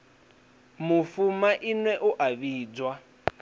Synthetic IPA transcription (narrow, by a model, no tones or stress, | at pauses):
mufumaʔinwɛʔuʔaβiːd͡zwa